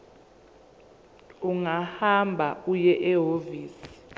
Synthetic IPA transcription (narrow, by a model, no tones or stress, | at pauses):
uŋahambʱaujɛʔɛɦoviːsi̥